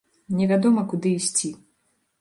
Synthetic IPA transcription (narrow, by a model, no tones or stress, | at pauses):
nʲɛvʲad̪ɔmɐkud̪ɨːsʲt͡sʲi